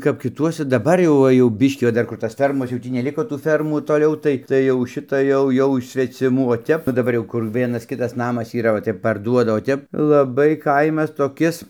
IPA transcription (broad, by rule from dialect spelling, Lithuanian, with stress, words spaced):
kɐp kʲɪˈtuɔsʲɛ dɐˈbɐr jɛʊ ˈʋɐ jɛʊ ˈbʲɪʃʲkʲiː ʋɐ ˈdɐr kʊr ˈtɐs ˈfʲɛrmoːs jɛʊ ˈtʲiː nʲɛˈlʲɪkoː tuː ˈfʲɛrmuː toːˈlʲɛʊ tɐɪ tɐɪ jɛʊ ˈʃʲɪtɐ ˈjɛʊ ˈjɛʊ ɪʃ sʲʋʲɛt͡sʲɪˈmuː oː ˈtʲɛp oː dɐˈbɐr jɛʊ kʊr ˈʋʲiɛnɐs ˈkʲɪtɐs ˈnɑːmɐs iːˈrɐ oː ˈtʲɛp pɐrˈduɔdɐ oː ˈtʲɛp lˠɐˈbɐɪ ˈkɐɪmɐs toːˈkʲɪs